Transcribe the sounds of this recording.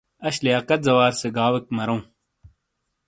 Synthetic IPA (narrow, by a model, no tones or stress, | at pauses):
ɐɕlijaːkɐt̪̚zɐwaːɾseɡaːwek̚mɐɾõː